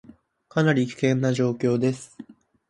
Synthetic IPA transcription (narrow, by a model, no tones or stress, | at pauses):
kanaɾʲikʲi̥kẽ̞nːaʑo̞ːkʲo̞ːd̪e̞sɨ̥